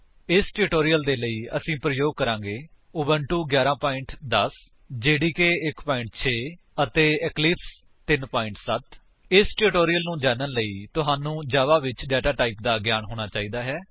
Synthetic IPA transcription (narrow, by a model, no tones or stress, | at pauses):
ɪsʈeɾɪʈoːɾijəld̪eːləiːə̰sĩːpɾəjoːɡ̚kəɾãːŋɡeː | ʊːbəɳʈuːɡjaːɾãːpaːɪɳʈd̪əs | d͡ʒeːɽiːkeːɪkpaːɪ̃ɳʈt͡ʃʰeː | ət̪eːɛklɪps | t̪ɪnpaːɪ̃ɳʈsət̪ | ɪsʈeɾɪʈoːɾiːjəlnũːd͡ʒaːnənləiːt̪ʊɦaːnũːd͡ʒaːʋaːʋɪt͡ʃɖɛːʈaːʈaːiːp̚d̪aːɡjaːnɦoːɽ̃aːt͡ʃaːiːd̪aːɦɛː